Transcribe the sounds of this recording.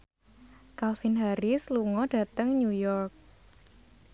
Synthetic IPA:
kalfinɦaɾisluŋɔɖ̥a̤t̪əŋɲujɔrk̚

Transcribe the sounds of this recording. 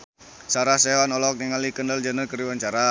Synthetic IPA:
saɾahseɦwanɔlɔk̚niŋalikəndald͡ʒənərkəɾiwaɲt͡ʃaɾa

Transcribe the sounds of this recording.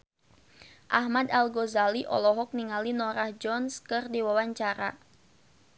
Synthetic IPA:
ʔahmadalɡɔzaliʔɔ̰lɔɦɔk̚niŋalinɔɾahd͡ʒɔnskɨrdiwawaɲt͡ʃaɾa

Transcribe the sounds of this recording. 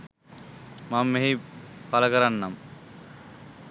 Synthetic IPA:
mamːeɦipalɐkɐɾanːam

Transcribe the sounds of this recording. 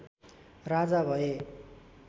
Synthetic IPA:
rad͡zabʱʌe

